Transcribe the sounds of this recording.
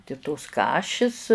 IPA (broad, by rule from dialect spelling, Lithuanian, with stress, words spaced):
tʲɪ toːs ˈkɑːʃʲɪs